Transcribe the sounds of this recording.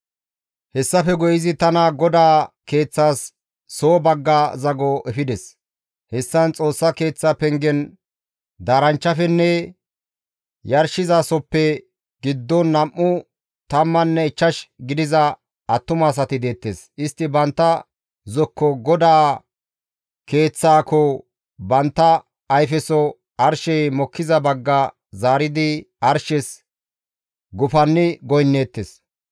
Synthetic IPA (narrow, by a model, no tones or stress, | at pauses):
hɛsːɐfɛɡɔjɪzɪt̪ɐnɐɡɔd̪aːke̞ːt͡sːaːsː | oːbɐɡːaːzɐɡɔʔɛfɪd̪ɛs | hɛsːɐnt͡sʼo̞ːsːɐke̞ːt͡sːɐpɛŋɡɛn | d̪aːɾɐnt͡ʃːɐfɛnːɛ | jɐɾʃɪzaːsɔpːɛ | ɡ̥ɪd̪ːɔnːɐmːʊ | t̪ɐmːɐnːɛɪt͡ʃːɐʃɡɪd̪ɪzɐ | ɐt̪ːʊmɐːs̬ɐt̪ɪd̪e̞ːt̪ːesʔɪst̪ːɪbɐnt̪ːɐ | zɔkːɔɡɔd̪aː | ke̞ːt͡sːaːkɔ | bɐnt̪ːɐː | jfɛsɔ | ɐɾʃɛjmɔkʰːɪzɐbɐɡːɐ | zaːɾɪd̪ɪ | ɐɾʃɛs | ɡʊfɐnːɪɡɔjnːeːt̪ːes